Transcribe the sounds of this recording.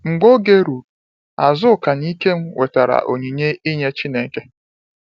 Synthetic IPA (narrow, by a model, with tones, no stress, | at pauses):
ŋ͡m̩˨ɡ͡bo˦ɡe˦ɾu˨ | a˨zʊ˦˨ka˨ni˦ke˦m̩˦we˨ta˨ɾa̰˨ʔo̰˨ɲĩ˨ɲe˦i˦ɲe˦t͡ʃi˦nẽ˨ŋ̩˦ke˦